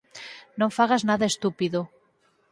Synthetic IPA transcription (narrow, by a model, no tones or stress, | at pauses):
nõɱfaɣaznaðaest̪upiðo